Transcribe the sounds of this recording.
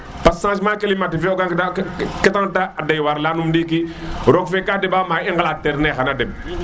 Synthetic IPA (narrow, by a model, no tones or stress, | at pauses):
passãːʃmãːkelimatifɛɔɡaŋktakɛtãŋtaadajwaɾlanumdiːkiɾɔkfekadɛbamaĩŋɡalatɛɾnɛxanadɛb̚